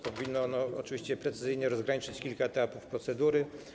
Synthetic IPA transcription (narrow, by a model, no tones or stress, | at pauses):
pɔvʲinːɔɔnɔɔ̰t͡ʂɨvʲiɕt͡ɕɛpɾɛt̪sɘzɘjɲɛɾɔzɡɾaɲit͡ʂɘt͡ɕkʲilkaɛt̪apufpɾɔt̪sɛd̪uɾɘ